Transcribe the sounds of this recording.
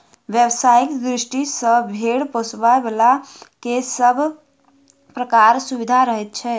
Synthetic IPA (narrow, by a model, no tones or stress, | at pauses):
ʋjebsaikd̪ɾisʈisəbʱeɽposbaebelakeəbʱ | pɾəkaɾsubid̪ʱaɾəɦɛt̪̚t͡ʃʰɛ